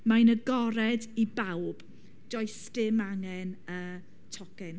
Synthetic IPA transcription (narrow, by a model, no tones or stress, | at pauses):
majnəɡɔɾɛdibawb̥ | d͡ʒ̥ɔjstɪmaŋɛnə | tʰɔkɛn